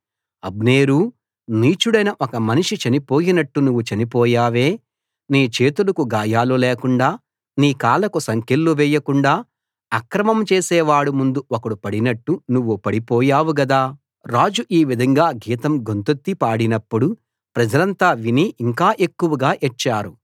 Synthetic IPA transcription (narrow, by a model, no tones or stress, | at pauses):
ɐbneːɾuː | niːt͡ʃuɽɐjnɐʔɔkɐmɐniʂit͡ʃɐnipoːjinɐʈːunuʋːut͡ʃɐnipɔːjaːʋe̞ː | niːt͡ʃeːt̪ulɐkuɡaːjaːloːleːkuɳɖaː | niːkaːlɐkusɐŋkelːuʋɛjːɐkuɳɖaː | ɐkɾɐmɐmt͡ʃeːsɛːʋaːɽumund̪uʔokɐɽupɐɽinɐʈːunuʋːupɐɽipɔːjaːʋuɡɐd̪aː | ɾaːd͡ʒuʔiːʋid̪ʱɐŋɡaːɡiːt̪ɐmɡo̞nt̪ot̪ːipaːɽinɐpːuɽu | pɾɐd͡ʒɐlɐnt̪aːʋiniʔiŋkaːʔe̞kːuʋɐɡaːʔit͡ʃːaːɾu